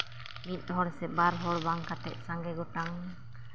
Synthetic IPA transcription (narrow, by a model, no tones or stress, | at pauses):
mit̪̚ˀɦɔɽɛsɛbaɾɦɔɽbaŋkaʈɛ̰ʔ̚saŋɡɛɡɔʈaŋ